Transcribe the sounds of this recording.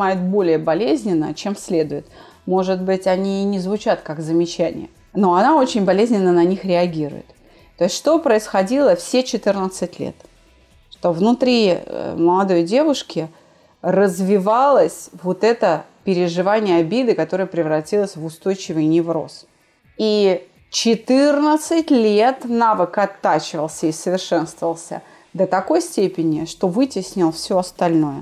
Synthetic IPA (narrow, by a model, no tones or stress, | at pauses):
ajɪt̪̚bo̞lʲɪjəbɐlʲezʲnʲɪnːə̰t͡ɕe̞msʲlʲe̞d̪ʊjɪt̪ | mo̞ʐɨd̪bɨtʲɐnʲiːnʲɪzvʊt͡ɕat̪kakzəmʲɪt͡ɕænʲɪ̰jə̰ | no̞ɐnao̞t͡ɕɪnʲbɐlʲezʲnʲɪnːənɐnʲixɾʲɪɐɡʲiɾʊ̰jɪ̰t̪ | t̪ːoɪsʲt̪ʲʂt̪opɾəɪsxɐdʲilˠəfsʲet͡ɕɪt̪ɨrnət̪sɨtʲlʲḛt̪ | ʂt̪o̞vnʊt̪ɾʲḭməlˠɐd̪o̞jdʲe̞vʊʂkʲɪ | rəzvʲɪvalˠəsʲvot̪ɛt̪əpʲɪɾʲɪʐɨvanʲɪjəabʲed̪ɨkɐt̪o̞ɾəjəpɾʲɪvɾɐtʲilˠəsʲvʊst̪o̞jt͡ɕɪvɨjnʲɪvɾo̞̰s | i | t͡ɕɪt̪ɨrnət̪sɨtʲlʲe̞t̪navɨkɐt̪ːat͡ɕɪvəlˠsʲəisəvʲɪrʂɛnst̪vəvəlˠsʲə̰ | d̪ət̪ɐko̞jsʲtʲepʲɪnʲɪʂt̪o̞vɨtʲɪsʲnʲɪlˠfsʲoɐst̪ɐlʲnojʊ